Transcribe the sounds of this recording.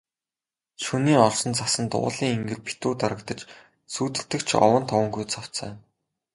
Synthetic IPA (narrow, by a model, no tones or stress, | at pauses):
ʃuniːɔɮsɞ̆nt͡sasə̆nt̪ʊ̰ːɮiːŋeŋɡɘ̆rpi̥t̪uːt̪aɾə̆k̚t̪ə̆t͡ɕ | suːt̪ɘ̆ɬt̪ɘ̆kt͡ɕʰɔ̰wə̆nt̪ʰɔwə̆ŋɡujt͡sʰɔw̥t͡sœ̰ː